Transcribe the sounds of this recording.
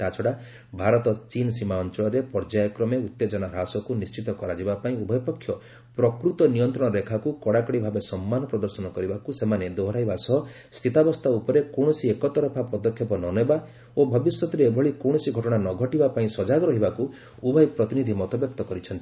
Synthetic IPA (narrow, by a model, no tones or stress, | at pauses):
t̪at͡ʃʰɔɽa | bʱaɾɔt̪ɔt͡ʃinɔsimaɔnt͡ʃɔɭɔɾepɔɾd͡ʒajkɾɔmeut̪ːed͡ʒɔnaɾasɔkunist͡ʃit̪ɔkɔɾad͡ʒibapaĩubʱɔjpɔkʰːjɔ | pɾɔkɾut̪ɔnijɔnt̪ɾɔɽ̃ɔɾekʰakukɔɽakɔɽibʱabesɔmːanɔpɾɔd̪ɔɾsɔnɔkɔɾibakusemaned̪oɦɾajbasɔɦɔ | st̪ʰit̪abɔst̪ʰaupɔɾekowɽ̃ɔsiekɔt̪ɔɾɔpʰapɔd̪ɔkʰjɔpɔnɔneba | obʱɔbisjɔt̪ɔɾeːbʱɔɭikoɽ̃ɔsiɡʱɔʈɔɽ̃anɔɡʱɔʈibapaĩsɔd͡ʒaɡɔɾɔɦibaku | ubʱɔjpɾɔt̪inid̪ʱimɔt̪ɔbjɔk̚t̪ɔkɔɾit͡ʃʰɔnt̪i̥